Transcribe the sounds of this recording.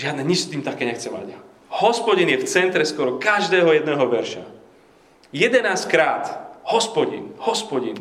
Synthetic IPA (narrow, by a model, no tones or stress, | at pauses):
ʒɪad̪nɛɲit͡ʃst̪iːmt̪akɛːɲɛxt͡sɛma̰ɟ | hɔspɔɟinjɛft͡sɛnt̪ɾɛskɔɾɔkaʒd̪ɛːɦɔjɛd̪nɛːɦɔʋɛɾʃa̰ | jɛd̪ɛnaːskɾaːt̪hɔspɔɟḭnhɔspɔɟin